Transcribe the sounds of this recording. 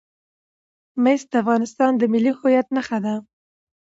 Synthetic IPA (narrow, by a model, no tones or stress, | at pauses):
mest̪afɣɑnɪst̪ɑnd̪əmɪlːihʊjat̪̚naχad̪a